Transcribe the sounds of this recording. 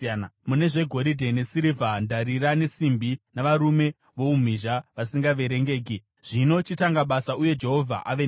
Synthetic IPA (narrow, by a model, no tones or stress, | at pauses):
mune̞ʐe̞ɡʱo̞ɾidʱe̞nesiɾivʱandaɾiɾane̞simbinaʋaɾume̞ | ʋo̞um̤iʒaʋasiŋɡaʋe̞ɾe̞ŋɡe̞ːk̬i | ʐ̥ino̞t͡ʃitaŋɡaɓasauje̞d͡ʒe̞ɦo̞vʱa̰ʔaʋen